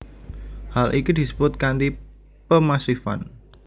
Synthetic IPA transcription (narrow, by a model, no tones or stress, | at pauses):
halʔikid̪̥i̤sə̥bʊt̪̚kand̪i | pəmasifa̰n